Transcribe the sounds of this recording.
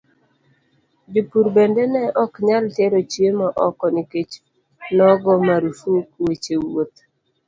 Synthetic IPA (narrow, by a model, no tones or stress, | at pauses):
d͡ʒipuɾbendɛnɛʔɔkɲalteɾot͡ʃiemaʔɔkɔniket͡ʃ | nɔɡɔmaɾufukwet͡ʃewot̪